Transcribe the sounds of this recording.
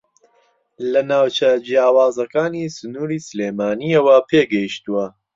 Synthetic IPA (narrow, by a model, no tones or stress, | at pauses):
lɐnaːwt͡ʃɐd͡ʒijaːwaːzɐkaːniːsɨnuːɾiːsɨleːmaːniɐwɐpʰeːɡɐjiʃt̪uwɐ